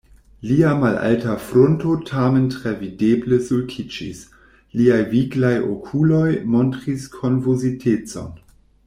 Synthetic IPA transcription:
liamalʔa̰ltafɾontotʰamentʁevidebləsulkʰid͡ʒḭs | liajviɡlajʔo̰kʰulo̞jmontʁiskʰonvuzitʰet͡so̞̰n

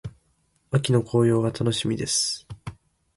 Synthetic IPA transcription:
βakʲino̞kʰo̞ːjo̞ːβat̪ʰano̞ɕimʲid̪e̞sɨ̥

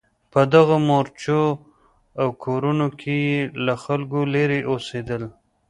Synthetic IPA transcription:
pəd̪aɣamoɾt͡ʃo | awkʰoɾunokʰejelaxalɡoleɾeʔosed̪əl

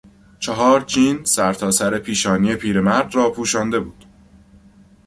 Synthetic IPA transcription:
t͡ʃʰeɦɒːɾt͡ʃʰiːnsæɾt̪ʰɒːsæɾe̞pʰiːʃɒːniːe̞pʰiːɾe̞mæɾd̪rɒːpʰuːʃɒːnd̪e̞buːd̪̥

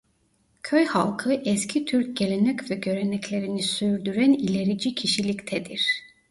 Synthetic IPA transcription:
cʰøjhalˠkʰɯʔɛscʰit̪ʰyɾc̚ɟe̞lʲe̞nɛcvɛɟø̞ɾe̞nɛclʲe̞ɾinisyɾd̪yɾænilʲe̞ɾid͡ʒicʰiʃilʲict̪ʰɛd̪iɾ̥

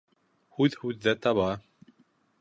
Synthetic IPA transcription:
hʉðhʉðːæt̪ɑβɑ

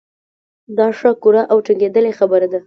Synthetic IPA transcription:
d̪ɑʂəkuɾaʔawʈiŋɡed̪əlexabəɾad̪a

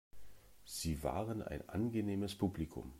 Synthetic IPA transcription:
z̥iːva̰ːʁənʔa̰ɪnʔa̰nɡəneːməspʰuːblikʰʊ̰m

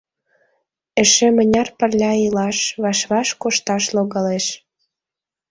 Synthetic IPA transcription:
ĕʃĕmə̆nʲɑrpə̆rlʲɑilɑʃβɑʃβɑʃkoʃt̪ɑʃloɣɑleʃ

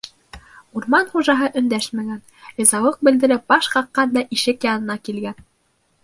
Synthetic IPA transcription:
uɾmɑnχuʒɑɦɤʔɵ̆nd̪æʃmæɡæn | ɤ̆zɑwɤq̚bɘ̆ld̪ɘ̆ɾɘp̚bɑʃχɑqːɑnd̪ɑʔiʃɘkjɑnɤ̆nɑkilɡæn

